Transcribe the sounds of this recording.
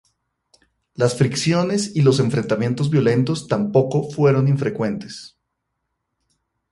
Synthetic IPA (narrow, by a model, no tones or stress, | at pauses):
lasfɾiksjo̞ne̞silo̞s̬e̞ɱfɾe̞nt̪amje̞nt̪ozβjo̞le̞nt̪o̞st̪ampo̞ko̞fwe̞ɾo̞niɱfɾe̞kwe̞nt̪e̞̥s